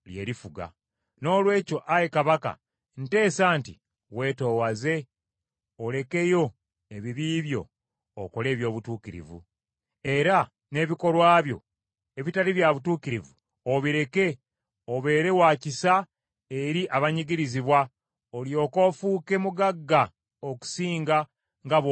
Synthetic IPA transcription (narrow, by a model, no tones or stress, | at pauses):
lje̞̰ːɾifuɡa̰ | no̞ːlwe̞ːco̞ʔajekaβaka̰ | n̩te̞ːsaːnti | we̞ːto̞ːwaze̞ | ole̞ke̞jo̞ | eβiβiːβjo̞̰ː | ko̞le̞ːβjo̞ːβutuːkiɾḭvṵ | e̞ɾa | ne̞ːβiko̞lwaːβjo̞̰ | e̞βitaliβjaβutuːkiɾivu | oβiɾe̞ke̞ | oβe̞ːɾe̞waːcisa | eɾiʔaβaɲiɡiɾiziβwa | oljo̞ːko̞ːfuːke̞muɡaɡːa | oku̥siːŋɡa | ŋɡa